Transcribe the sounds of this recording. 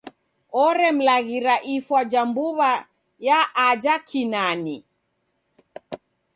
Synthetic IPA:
ɔɾɛm̩laɣiɾaʔifwad͡ʒambuβa | jaʔːd͡ʒakʰinani

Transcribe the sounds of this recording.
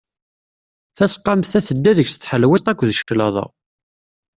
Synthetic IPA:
θæsqːɑmθæθəd̪ːæðəçsθħəlwɪt̪ˤækʷːðʃə̥klɑðˤɑ̰

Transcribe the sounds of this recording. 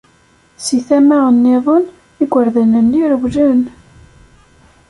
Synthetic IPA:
siθæmæənːeðˤən | iɡʷːəɾðænənːiɾəwlən

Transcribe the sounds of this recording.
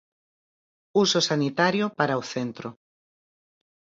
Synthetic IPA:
usosanit̪aɾjopaɾaoθent̪ɾo

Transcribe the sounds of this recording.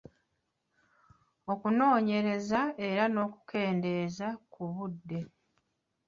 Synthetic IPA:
o̞kuno̞ːɲe̞ɾe̞zae̞ɾano̞ːku̥ke̞ːnde̞ːzakuβudːe̞

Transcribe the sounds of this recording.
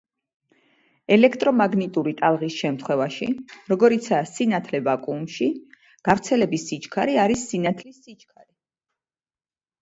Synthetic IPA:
ɛlɛkʰt̪ʼɾɔmaɡnit̪ʼuɾit̪ʼalˠʁisʃɛmt̪ʰχwɛvaʃiɾɔɡɔɾit̪sʰaːsinat̪ʰlɛvakʼumʃi | ɡ̥avɾt̪sʰɛlɛbisit͡ʃʰʼkʰaɾiaɾisːinat̪ʰlisit͡ʃʰʼkʰaɾi

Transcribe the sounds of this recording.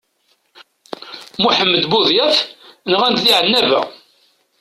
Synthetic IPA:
muħəmːəd̪buðjæfnəʁænd̪ðiʕənːævæ̰

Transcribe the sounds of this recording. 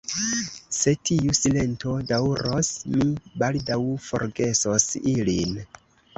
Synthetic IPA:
se̞tʰiusile̞nto̞dawuɾo̞smibaldawfo̞̰ɾɡe̞sosilin

